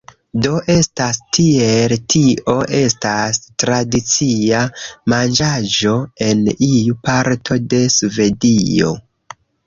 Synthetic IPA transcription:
do̞ʔe̞stastʰieltʰiʔo̞ʔe̞stastɾadit͡siamand͡ʒad͡ʒo̞e̞nijupaɾtʰo̞de̞sve̞dio̞̰

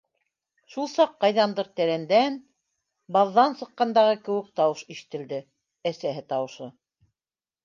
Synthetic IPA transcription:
ʃulˠsɑqːɑjðɑnd̪ɤɾt̪æɾænd̪æn | bɑðːɑnsɤ̆qːɑnd̪ɑʁɤkɘ̆wɘ̆k̚t̪ɑwɤʃiʃɘ̥̆t̪ɘ̆ld̪ɘ | æsæɦɘt̪ɑwɤ̆ʃɤ

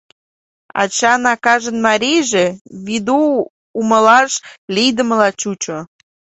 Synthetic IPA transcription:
ɑ̰t͡ɕɑnɑkɑʒənmɑɾʲijʒeβid̪uː | məlɑʃlʲijd̪əməlɑt͡ɕut͡ɕo

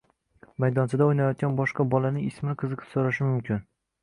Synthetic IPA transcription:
majd̪ɒnsɪd̪aojnajɒt̪̚ɡʲanbɒʃqɑbɒlanɪŋɪsmɪnɪqʰɨzɨqʰɨpsoɾaʃɪmʊmkʲʰɪn

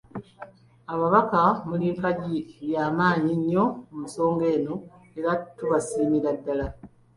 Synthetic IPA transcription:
aβaβakamuliːmpaɟiβjaːmaːɲiɲːo̞umuso̞ːŋɡe̞ːno̞ | eɾatuβasiːmiɾadːala

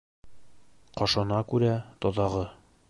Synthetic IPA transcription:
qɒʃɑnɑkʉɾæt̪ɒt̪ɑʁɤ

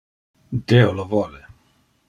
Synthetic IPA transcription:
d̪eolovɔle

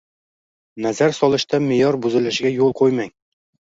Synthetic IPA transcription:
næzæɾsɒlˠɤ̆ʃt̪amĕjɒɾbʉzɘ̆lɘ̆ʃɡʲæjulˠqojmæŋ

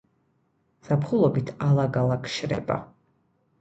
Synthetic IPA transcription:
z̥apʰχulˠɔbit̪ʰalˠaɡalˠakʰʃɾɛ̰ba̰

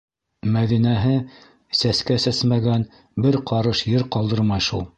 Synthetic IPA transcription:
mæðinæɦɘ | sæskæsæsmæɡæn | bɘɾqʰɑɾɤʃjɘɾqɑlˠd̪ɤɾmɑjʃulˠ

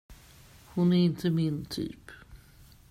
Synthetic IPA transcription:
hʊnæɾɪnt̪ʰəmɪnt̪ʰy̰ːp

